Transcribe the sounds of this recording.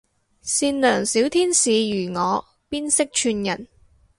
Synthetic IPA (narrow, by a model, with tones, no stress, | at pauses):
siː˧nlœː˨˩ŋsiː˨˥wt̪ʰiː˥nsiː˨˧jyː˨˩ŋɔː˨˧ | piː˥nsɪ˥k̚t͡ʃʰyː˧njɐ˨˩n